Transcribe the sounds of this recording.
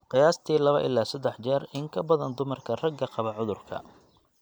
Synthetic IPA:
qɪjaːst̪ʰiːlɐβɐ̰ʔɪlːaːsɐd̪ːɛħt͡ʃɛːrɪŋkʰɐbɐðɐnd̪ʊmɐrkʰɐrɐɡɐqɑβɐʕʊðʊrkʰɐ̰

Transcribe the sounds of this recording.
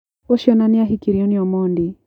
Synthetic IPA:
ɔʃiɔnaniaɦikiɾiɔniɔmɔndi

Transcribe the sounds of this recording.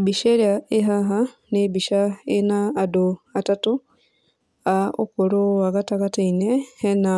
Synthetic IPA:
biʃeɾjaiɦaɦa | nebiʃaenaːdoatatu | aṵkuɾoaɣatakatainehena

